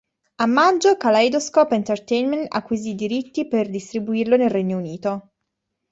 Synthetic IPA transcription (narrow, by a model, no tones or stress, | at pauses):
amːand͡ʒokalajd̪oskɔpent̪ert̪ɛjnment̪a̰kːwizid̪iɾit̪ːiperd̪ist̪ɾibuirlonelrːeɲːouniːt̪o